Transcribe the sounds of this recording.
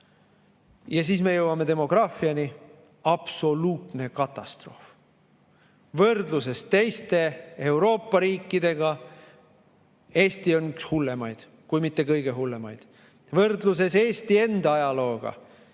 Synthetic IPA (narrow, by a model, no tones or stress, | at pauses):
jɑs̬iːsme̞jɤwɑme̞d̪e̞mo̞ɡ̥rɑːfiɑni | ɑb̥so̞luːt̪ne̞kɑt̪ːˑɑst̪ro̞ːf | vɤrd̪luse̞st̪e̞jst̪e̞e̞wɾo̞ːpːˑɑɾiːkːˑid̪̥e̞ɡ̥ɑ | e̞ːst̪io̞nykshulːe̞mɑjd̪̥ | kujmit̪ːe̞kɤjɡ̥e̞ɦulːe̞mɑjd̪̥ | vɤrd̪lus̬e̞se̞ːst̪ie̞nd̪̥ɑɑjɑlo̞ːɡ̥ɑ̰